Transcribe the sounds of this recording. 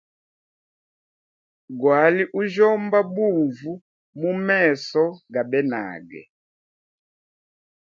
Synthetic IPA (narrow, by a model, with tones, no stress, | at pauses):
ɡwa˨˦li˦ʔu˦ʒɔ˦mba˦bu˦˨vu˦ | mu˦mɛ˦˨sɔ˦ɡa˨bɛ˦na̰˨ɡɛ̰˨